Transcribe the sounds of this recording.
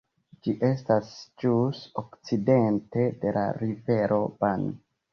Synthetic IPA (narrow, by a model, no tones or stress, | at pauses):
d͡ʒiʔe̞stasd͡ʒusokt͡side̞nte̞de̞la̰ɾive̞ɾʔo̞b̥an